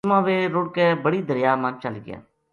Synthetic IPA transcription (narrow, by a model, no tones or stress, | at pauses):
mãːʋeːɾʊɽkeːbəɽiːd̪əɾɪjaːmãnt͡ʃəlɡɪ̰ja̰ː